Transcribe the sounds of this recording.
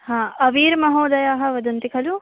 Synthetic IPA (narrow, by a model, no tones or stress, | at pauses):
hãːɐʋiːɾmɐɦoːd̪ɐjaːɦɐ̆ʋɐd̪ɐnt̪ikʰɐlu